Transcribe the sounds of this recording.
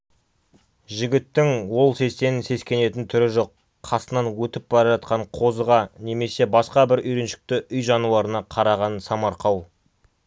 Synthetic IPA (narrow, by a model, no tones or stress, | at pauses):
ʒɪɡʲɪt̪ːɪŋwo̞lˠse̞st̪e̞nɪnse̞skʲe̞ne̞t̪ɪnt̪ʰʏɾɪʒo̞qːʰ | ɑsənɑnwɵt̪ɪp̚bɑɾɑʒɑt̪̚qɑɴqʰo̞zəʁɑne̞me̞se̞bɑsqɑbɪɾʏjɾenʃɪ̥k̚t̪ɪʔʏjʒɑnuwɑɾənɑqʰɑɾɑʁɑnsɑmɑɾqɑw